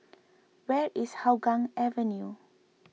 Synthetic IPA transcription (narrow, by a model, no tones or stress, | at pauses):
wɛɹʔishawɡãŋɛvɛ̃nju